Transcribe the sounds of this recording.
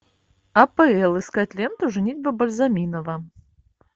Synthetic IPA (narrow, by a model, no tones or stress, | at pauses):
ɐpɛɛlˠɨskat̪ʲlʲɛnt̪ʊʐɨnʲitʲbɐbɐlʲzamʲinɐvɐ